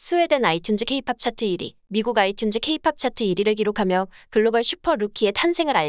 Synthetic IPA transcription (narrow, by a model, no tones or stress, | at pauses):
sʰue̞denaitʰjund͡ʑikʰe̞ipʰap̚t͡ɕʰatʰɯiɾḭ | miɡuɡaitʰjund͡ʑɯkʰe̞ipʰap̚t͡ɕʰatʰɯiɾiɾɯɭkiɾokʰamjʌkɯɭːobʌɭɕʰupʰʌɾukʰie̞tʰansʰe̞ŋɯɾa